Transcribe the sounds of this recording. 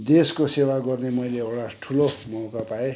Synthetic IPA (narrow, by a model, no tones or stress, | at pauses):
d̪eskosewaɡʌrnemʌjleewɽaʈʰulomʌwkapae